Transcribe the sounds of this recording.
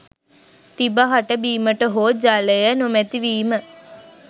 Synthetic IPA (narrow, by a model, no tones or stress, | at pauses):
t̪ibaɦaʈəbiːməʈəɦoːd͡ʒaləjənomɛt̪iʋiːmə